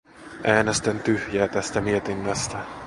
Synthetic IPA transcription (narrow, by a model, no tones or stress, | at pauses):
ʔæːnest̪ent̪yhjæːt̪æst̪æmiet̪inːæst̪æ